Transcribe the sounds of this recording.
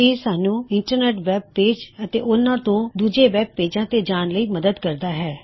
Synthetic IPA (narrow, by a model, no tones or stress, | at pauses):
eːsaːnũːɪɳʈəɾneːʈʋɛːb̚peːd͡ʒət̪ḛːʔʊnãːt̪õːd̪uːd͡ʒeːʋɛːb̚peːd͡ʒãːt̪eːd͡ʒaːnləiːməd̪əd̪kəɾd̪aːɦɛː